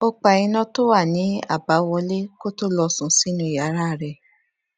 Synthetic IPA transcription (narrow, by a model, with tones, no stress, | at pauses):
o˧k͡pa˨i˧nɔ̃˧to˦wa˦˨nĩ˨˦a̰˦˨ba˨˦wɔ˧le˦ko˦to˦lɔ˧sũ˧˦si˦nũ˧˦i˨ja˨˦ɾa˦˨ɾɛ˧˨